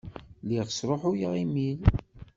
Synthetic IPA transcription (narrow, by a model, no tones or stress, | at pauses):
liʁsɾˤoħʊjəʁimil